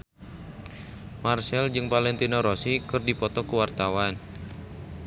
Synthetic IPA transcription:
marsɛld͡ʒɨŋpalɛnt̪inɔɾosikɨrdipɔt̪ɔkuwart̪awan

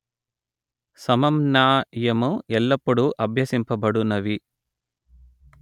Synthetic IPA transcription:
sɐmɐmnaːjɐmuɛlːɐpːuɽuʔɐbʱjɐsimpɐbɐɽunɐʋi

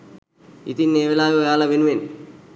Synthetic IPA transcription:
ḭt̪inːeːʋelaːjuɐjaːlɐʋenuʋen

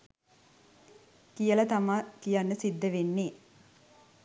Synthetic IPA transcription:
kijəlɐt̪amaːkijanːəsid̪ːəʋenːeː

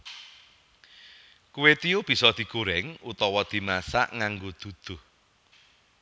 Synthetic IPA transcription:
kuwet̪iub̥i̤sɔd̪̥i̤ɡ̥oɾɛŋut̪ɔwɔd̪̥i̤masa̰ʔŋaŋɡod̪̥ṳd̪̥ʊ̤h

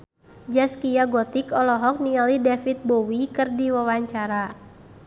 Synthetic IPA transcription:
d͡ʒaskijaɡɔt̪ikɔlɔɦɔk̚niŋalidafit̪̚bowikɨrdiwawaɲt͡ʃaɾa

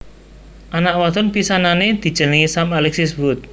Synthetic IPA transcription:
ʔanaʔwat̪ɔnpisananed̪̥i̤d̥ʒ̥ə̤nəŋisamalɛksisbʊt̪̚

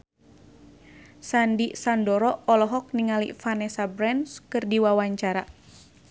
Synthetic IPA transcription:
sandisandɔɾɔɔlɔɦɔk̚niŋalḭfanɛsabɾɛnskɨrdiwawaɲt͡ʃaɾa

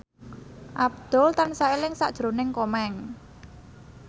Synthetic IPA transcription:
ʔab̚d̪̥ɔ̤lt̪ansaelɪŋsa̰ʔd̥ʒ̥ɾonɪŋkɔmɛŋ

